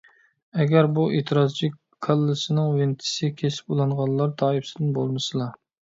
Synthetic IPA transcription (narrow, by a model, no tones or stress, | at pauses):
ɛɡʲæɾbuet̪ʰɨɾɑzt͡ʃʰi | kʰɑlˠːɨsɪnɪŋwɪnt̪ʰɪ̥sɪkʲʰesɪ̥pulˠɑɴʁɑllːˠɑɾt̪ʰɑːifsɪd̪ɪnbo̰lˠmɨsɨlˠɑ